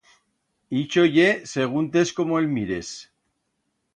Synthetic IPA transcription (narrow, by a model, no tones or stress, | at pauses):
it͡ʃoʝeseɣ̞unt̪esko̞moelmiɾes